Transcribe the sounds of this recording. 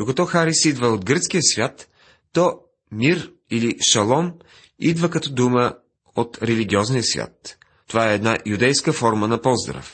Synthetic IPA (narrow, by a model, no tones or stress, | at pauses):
d̪okɐt̪ɔxaɾisid̪vəot̪̚ɡɾət̪sk̟ijəsvʲjat̪ː | ɔ | miɾ | iliʃɐlˠɔm | id̪vəkɐt̪ɔd̪umə | ot̪ɾɛliɡʲiɔznijəsvʲja̰t̪ː | ovaɛːd̪najud̪ɛjskəfɔɾmənɐpɔzd̪ɾə̰f